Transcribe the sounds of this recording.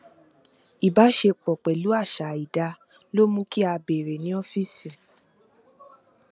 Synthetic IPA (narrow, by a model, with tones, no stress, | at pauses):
i˨ba˨˦ʃe˧k͡pɔ˨k͡pɛ˨lu˨˦a˦˨ʃa˨i˨da˧ | lo˦mũ˦ki˦a˧be˨ɾe˨nĩ˨˦ɔ˦fi˦˨si˨